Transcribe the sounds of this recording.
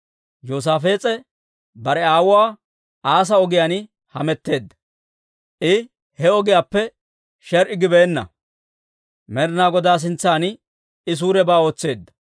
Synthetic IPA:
joːs̬aːfe̞ːt͡sʼɛ | bɐɾɛaːwʊwaː | aːs̬ɐɔɡɪjaːnɪ | hɐmɛt̪ːe̞ːd̪ːɐ | ʔɪ | hɛɔɡɪjaːpːɛ | ʃɛɾʔɪɡɪbeːnːɐ̰ | mɛɾnaːɡɔd̪aːs̬ɪnt͡sːaːnɪ | ɪs̬uːɾɛbaːo̞ːt͡sːe̞ːd̪ːɐ̥

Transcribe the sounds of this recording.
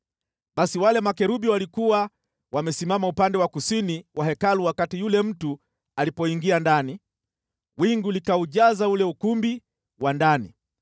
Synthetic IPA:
ɓasiwalɛmakɛɾuɓiwalikuwa | wamɛsimamaupandɛwakusiniwaɦɛkaluwakatijulɛm̩tu | alipɔiŋɡiandani | wiŋɡulikauʄazaulɛukumbi | wandanḭ

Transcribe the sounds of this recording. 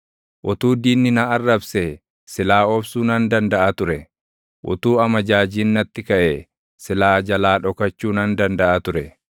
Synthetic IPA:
ʔʊt̪uːd̪iːnːɪnaɐrːɐbse | sɪlaːɔbsuːnɐnd̪ɐnd̪ɐʔat̪ʊɾɛ | ʔʊ̰t̪uːɐmɐd͡ʒaːd͡ʒiːnːɐt̪ːɪkɐʔeː | sɪlaːd͡ʒɐlaːᶑɔkɐt͡ʃːuːnɐnd̪ɐnd̪ɐʔaːt̪ʊɾɛ

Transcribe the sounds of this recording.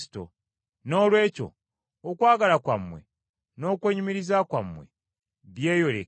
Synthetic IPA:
i̥to̰ | no̞ːlwe̞ːco̞̰ː | kwaːɡalakwa̰mːwḛ | no̞ːkweːɲumiɾizakwamːwe̞̰ | βje̞ːjo̞lḛ

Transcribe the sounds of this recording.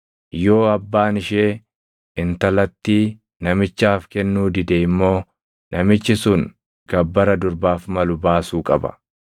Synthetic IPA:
jo̞ːɐbːaːnɪʃeː | ɪnt̪ɐlɐt̪ːiː | nɐmɪt͡ʃːaːfkɛnːuːd̪ɪd̪ɛɪmːo̞ː | nʔɐmɪt͡ʃːɪsʊŋ | ɡɐbːɐɾɐd̪ʊɾbaːfmɐlʊbaːsuːkʼɐbɐ̰

